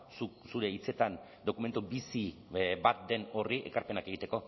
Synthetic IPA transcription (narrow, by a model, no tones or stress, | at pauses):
susuɾe̞it͡se̞t̪an | d̪o̞kume̞nt̪ubisibat̪̚d̪e̞no̞riʔe̞̰kaɾpe̞nake̞ɣ̞it̪e̞ko̞